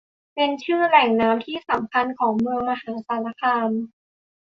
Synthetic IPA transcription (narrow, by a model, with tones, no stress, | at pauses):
pe˧nt͡ɕʰɯː˥˩lɛ˨˩ŋnaː˦˥mt̪ʰiː˥˩sa˩˦mkʰa˧nkʰɔː˩˦ŋmɯ˧əŋma˧ɦaː˩˦saː˩˦la˧kʰaː˧n